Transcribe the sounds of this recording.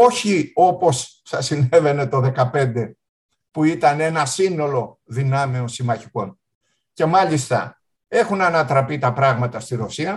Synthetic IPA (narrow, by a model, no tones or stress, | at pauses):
o̞çio̞po̞s | θɐsine̞ve̞ne̞t̪o̞ðe̞kɐpe̞nd̪e̞ | puit̪ɐne̞nɐsino̞lo̞ | ðinɐmeosimɐçi̥ko̞n | ce̞mɐlist̪ɐ̰ | e̞xunɐnɐt̪ɾɐpit̪ɐpɾɐɣmɐt̪ɐst̪iɾo̞siɐ